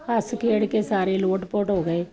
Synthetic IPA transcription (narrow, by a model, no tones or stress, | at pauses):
əskeːɽkeːsaːɾeːloːʈpoːʈɦoːɡəeː